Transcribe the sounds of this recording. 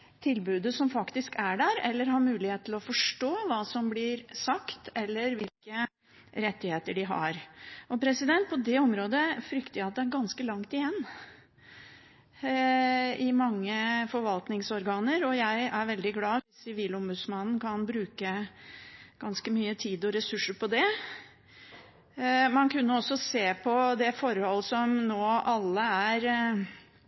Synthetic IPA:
t̪ʰɪlbʉːd̪əsɔmfɑkt̪ɪskæɖæɾɛlːəɾɦɑɾmʉːlɪheːt̪t̪ʰlɔfɔʂʈoːʋɑːsɔmblɪɾsɑkt̪ɛlːəɾʋɪlkə | ɾɛt̪ːɪheːt̪əɖɪɦɑ̰ɾʔɔpʰɾɛsɪd̪ɛnt̪̚pʰɔd̪ɛɔmɾoːd̪əfɾʏkt̪əæɑt̪̚d̪ɛæɾɡɑnskəlɑŋt̪ɪjɛnː | ɪmɑŋːəfɔɾʋɑlt̪nɪŋsɔɾɡɑːnəɾɔjæɪæɾʋɛld̪ɪɡlɑːɪsːɪʋiːlɔmbʉd̪smɑnn̩kɑnbɾʉːkə | ɡ̥ɑnskəmyːət̪ʰiːd̪ɔɾɛsʉʂəɾpʰɔd̪ɛ | mɑnkʉnːəɔsːɔseːpʰɔd̪ɛfɔɾhɔlːsɔmnoːʔɑlːəæɾ

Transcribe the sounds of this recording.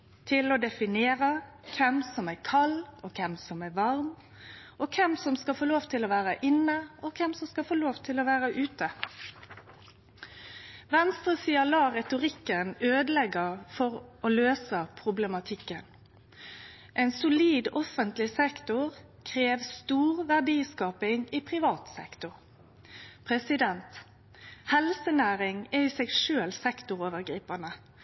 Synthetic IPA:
t̪ʰɪlɔd̪ɛfɪneːʁə | kʰɛmsɔmæːkʰɑlːɔkʰɛmsɔmæːʋɑʁm | ʔɔkʰɛmsɔmskɑfoːloːʋt̪ʰɪlɔʋæːʁəʔɪnəɔkʰɛmsɔmskɑfoːloːʋt̪ʰɪlɔʋæːʁəʔʉːt̪ə | ʋɛnst̪ʁəsiːəlɑːʁɛt̪ʊʁɪkːənøːd̪əlɛɡəfɔɾoːløːsəpʰʁʊblɛmɑt̪ʰɪkːən | ʔɛːnsʊliːd̪ɔfənt̪lɪsɛkt̪ʊʁ | kʰʁeːʋst̪uːʁʋæʁɖiːskɑːpɪŋiːpʰʁɪʋɑːt̪sɛ̰kt̪ʊʁ | pʰʁɛsɪd̪ɛnt̪ | hɛlsənæːʁɪŋɛiːsɛɡʃøːlsɛkt̪ʊʁoːʋəʁɡʁiːpənə

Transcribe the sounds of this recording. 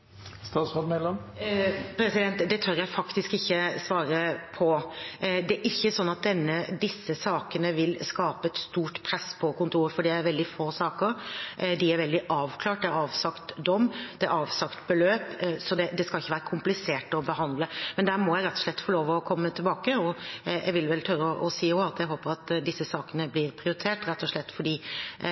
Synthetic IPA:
st̪ɑːt̪sɔd̪mɛlːɔm | pʰɾɛsɪd̪ɛnt̪d̪ɛt̪ʰœɾjæɪfɑkt̪ɪskɪçːəsʋɑːɾəpʰɔ | d̪ɛæɾʔɪçːəsɔnːɑt̪̚d̪ɛnːəd̪ɪsːəsɑːkənəʋɪlskɑːpəɛt̪st̪uːʈpʰɾɛsːpʰɔkʊnt̪ʰuːɾəfɔɖiːæɾʋɛld̪ɪfoːsɑːkəɾd̪ɪæɾʋɛld̪ɪʔɑːʋkʰlɑːʈ̚d̪ɛæɾɑːʋsɑkt̪d̪ɔmːd̪̥ɛæɑːʋsɑkt̪bəløːpsɔd̪ɛd̪ɛskɑlɪçːəʋæːɾəkʰʊmplɪseːʈɔbəɦɑnd̪ləmɛnd̪æːɾmɔjæɪɾɛt̪ːɔʂɭɛt̪ːfɔɭoːʋəɔkʰɔmːət̪ʰɪlbɑːkəɔjæ̰ɡʋɪlʋɛlt̪ʰœʏɾəɔʔɔsiːoɑt̪jæɪɦoːpəɾɑt̪ːd̪ɪsːəsɑːkənəblɪɾpʰɾɪʊɾɪt̪ʰeːʈɾɛt̪ːɔʂɭɛt̪ːfɔɖiː

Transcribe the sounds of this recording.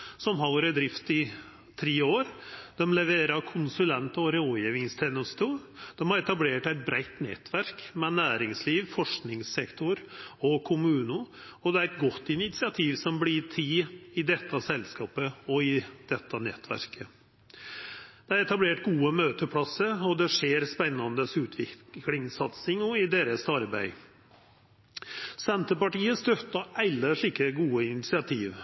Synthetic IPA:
sɔmɦɑʋɔɾəd̪ɾɪft̪ɪ | t̪ʰɾeːoːɾd̪̥ɛmlɛʋeːɾɑkʰʊnsʉlɛnt̪ɔɾoːjeːʋɪŋst̪ʰɛnʊst̪uːd̪̥ɛmhɑɾɛt̪ɑbleːʈæɪt̪̚bɾæɪt̪nɛ̰t̪ʰʋæɾkmɛnæːɾɪŋsliːʋfɔʂknɪŋsɛkt̪ʰʊɾɔkʰʊmʉːnʊɔd̪ɛæɾɛt̪ɡɔt̪ːɪnɪt̪sɪɑt̪ʰiːʋsɔmblɪt̪ʰiɪd̪ɛt̪ʰːɑsɛlskɑːpəɔɪd̪̥ɛt̪ʰːɑnɛ̰t̪ʰːʋæ̰ɾkʰə | d̪̥ɛæɾɛt̪ɑbleːʈɡuːəmøːt̪əpʰɽɑsəɾɔd̪ɛʂeːɾspɛnːɑnd̪əsʉːt̪ʰʋɪlɪŋsɑt̪sɪŋɔɪd̪eːɾəsɑɾbæ̰ɪ | sɛnt̪əpɑʈiːəst̪œt̪ːɑʔɛlːəʂɪkːəɡuːəɪnɪt̪sɪɑt̪ʰiːʋ

